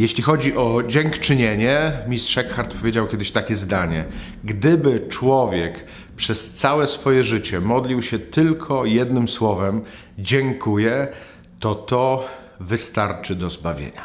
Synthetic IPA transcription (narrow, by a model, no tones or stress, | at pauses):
jeɕlʲixɔd͡ʑiʔɔd͡ʑɛŋkt͡ʂɘɲeɲɛmʲist̪ʂɛkxaɾt̪pɔvʲjed͡ʑawkʲɛd̪ɘɕt̪akʲɛzd̪aɲɛ | ɡd̪ɘbɘt͡ʂwɔvʲjɛk | pʂɛst̪sawɛsfɔjɛʐɘt͡ɕɛmɔd̪lʲiwɕɛt̪ɘlkʰɔjɛd̪nɘmswɔvɛm | d͡ʑɛŋkujɛ | t̪ɔt̪ɔ | vɘst̪aɾt͡ʂɘd̪ɔzbavʲjḛɲa